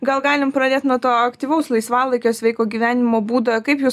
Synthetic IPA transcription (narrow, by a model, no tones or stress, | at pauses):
ɡɐlˠɡɑːlʲɪmpɾɐd̪ʲeːt̪nuɔt̪oːɐkt̪ʲiːʋɐʊslˠɐɪsʋɑːlˠɐɪkʲoːsʋʲɛɪkoːɡʲiːʋʲæːnʲɪmoːbuːd̪ɐkɐɪpjuː